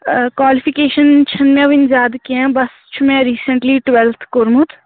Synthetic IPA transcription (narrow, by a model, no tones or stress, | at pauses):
kwaːlipʰikeːʃənt͡ʃʰɐnmɛ̃ʋɪnzaːd̪kiɛ̃bɐs | t͡ʃʰumɛ̃ɾiːsə̃ɳʈliːʈʋɛlt̪ʰkʊɾmʊt̪ʰ